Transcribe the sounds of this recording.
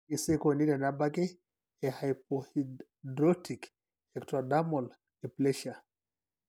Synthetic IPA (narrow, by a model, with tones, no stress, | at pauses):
i˨se˦ko˨ni˦dɛ˨na˦ba˦ke˦ | ɛhajp̚ɔi | dɾɔ˦tʰi˨k | ɛktɾɔda˦mɔ˨l | e˨plɛʃa˨